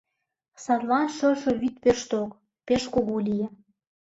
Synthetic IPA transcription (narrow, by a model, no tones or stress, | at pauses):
sɑt̪lɑnʃɤ̆ʃɤ̆βit̪̚peʃt̪ok | peʃkoɣolʲijĕ